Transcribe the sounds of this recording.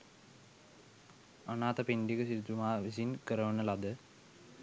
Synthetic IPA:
anaːt̪apind̪ikəsiɾt̪umaːʋisinkəɾəʋənəlad̪ə

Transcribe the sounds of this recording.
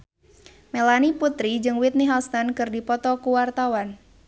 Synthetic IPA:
melaniput̪ɾid͡ʒɨŋwɪt̪̚niɦast̪ankɨrdipɔt̪ɔkuwart̪awan

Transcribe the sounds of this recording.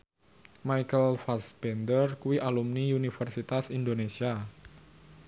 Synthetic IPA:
majkəlfasbɛnd̪ərkuwiʔalumniunifərsit̪asind̪onesia

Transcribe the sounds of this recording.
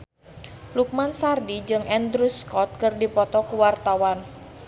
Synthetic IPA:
luk̚mansardid͡ʒɨŋʔɛnd̪ɾuskɔt̪̚kɨrdipɔt̪ɔkuwart̪awan

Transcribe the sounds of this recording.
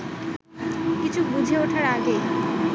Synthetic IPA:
kit͡ɕʰubud͡ʑʱeoʈʰaɾaɡe

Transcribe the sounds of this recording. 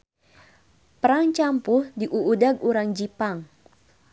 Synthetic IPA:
pəɾaŋt͡ʃampʊhdiʔuʔːdaɡuɾaŋd͡ʒipaŋ

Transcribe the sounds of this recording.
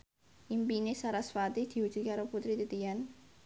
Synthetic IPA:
ʔimpinesaɾasfat̪id̪̥i̤wu̥ʒ̥ut̪̚kaɾoput̪ɾit̪it̪ijan

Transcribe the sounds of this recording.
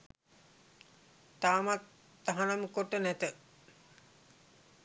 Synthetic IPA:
t̪aːmat̪ː | aɦanaməkoʈːənæt̪ə

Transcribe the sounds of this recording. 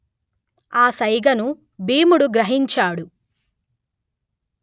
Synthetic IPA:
aːsɐjɡɐnu | biːmuɽuɡɾɐɦiɲt͡ʃaːɽu

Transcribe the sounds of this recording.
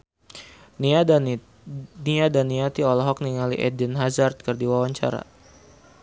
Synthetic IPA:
n | niadanːiat̪iɔlɔɦɔk̚niŋalḭʔɛdinɦazart̪̚kərdiwawaɲt͡ʃa̰ɾa̰

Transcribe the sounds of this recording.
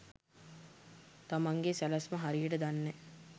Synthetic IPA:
t̪amaŋɡesælasməɦaɾijəʈəd̪anːe

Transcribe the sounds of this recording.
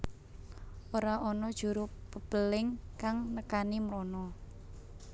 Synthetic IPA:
ʔoɾaɔnɔd̥ʒ̥uɾʊpəb̥əlɪŋkaŋnəkanimɾɔnɔ

